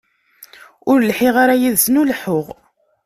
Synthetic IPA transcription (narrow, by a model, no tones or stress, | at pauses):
ʊɾlħiʁaɾæjiðsnulħʊʁ